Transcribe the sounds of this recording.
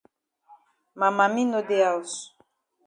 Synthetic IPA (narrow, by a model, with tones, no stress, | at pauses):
ma˨ma˨mi˦no˦de˦a˨u˨s